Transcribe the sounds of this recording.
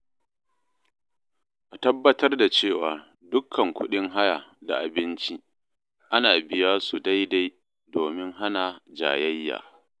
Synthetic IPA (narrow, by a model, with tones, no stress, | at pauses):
ʔa˨tɐ˦bːɐ˦tɐ˦rda˨t͡ʃeː˦˨waː˨ | dʊ˦kʰːɐ˨ŋkʷʊ˦ɗɪ˦ŋɦa˦ja˨da̰˨ʔa˨bɪ˦nt͡ʃi˦ | ʔa˦naː˨bɪ˦jaː˦su˨da˦jda˦j | doː˨mɪ˦ŋɦa˦na˨d͡ʒa̰ː˨jɐ˦jːa̰ː˨